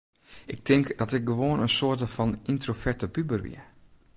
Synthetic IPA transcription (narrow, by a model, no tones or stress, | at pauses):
ɪk̚tʰɪŋkd̥ɔtɪk̚ɡəʋoənənsoətəfɔnintrofɛɹtəpybərʋɪ̰